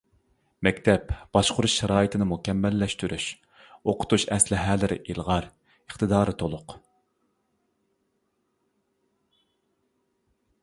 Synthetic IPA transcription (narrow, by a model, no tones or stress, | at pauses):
mɛkʲt̪ʰɛpb̥ɑʃqʰʊɾuʃʃɛɾɑːjit̪ʰɪnɪmukʲɛmːɛlːɛʃt̪yɾʔyʃ | oqʰʊ̥t̪uʃɛslɪɦɛːlɪɾɪ̰ʔilˠʁɑɾ | əχt̪ɨd̪ɑːɾɨt̪ʰolˠʊq